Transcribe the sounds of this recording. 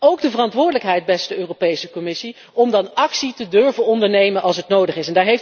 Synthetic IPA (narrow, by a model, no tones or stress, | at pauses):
owɡdəvərɑntʋʊːɹdələkɦɛjt̚bɛstdəøːrowpejsəkɔmɪsi | ɔmdɑnɑksitədʏɹvənɔndəɹnejmənʔɑlˠsɦətnowdəχɪsɛndaːɹɦejf